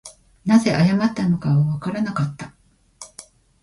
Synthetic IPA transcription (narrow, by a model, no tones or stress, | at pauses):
naze̞ʔajamat̪ːano̞kaβaβakaɾanakat̪ːa